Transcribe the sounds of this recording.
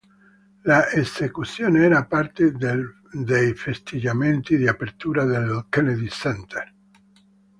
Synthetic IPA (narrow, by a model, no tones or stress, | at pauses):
laʔesekut̪sjoːneɛːɾapart̪ed̪e | d̪ejfest̪id͡ʒament̪id̪iapeɾt̪uːɾad̪elkɛned̪isɛnt̪er